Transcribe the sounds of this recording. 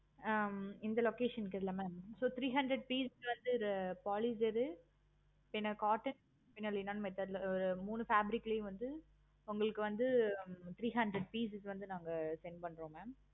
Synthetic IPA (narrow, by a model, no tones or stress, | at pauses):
ɪnd̪ɐlɔkeːʂɐnkːɐɪlːɐmaːmsoːt̪ɾiːɦɐnɖɾɐɖ̚piːsɪsʋɐnd̪ɯɾɐpaːlisɛɾɯ | pɪnːɐkaːʈːɐn | pɪnːɐlinaːnmɐt̪ːɐðlɐɔɾɯmuːnɯfaːbɪɾɪkːɪlɐjʊ̃ʋɐnd̪ɯ | ʊŋɡɐɭɯkːɯʋɐnd̪ɯt̪ɪɾiːɦɐɳɖɾɛɖ̚piːs̬ɪsʋɐnd̪ɯnaːŋɡɐsɛnpɐɳːɾõːmaːm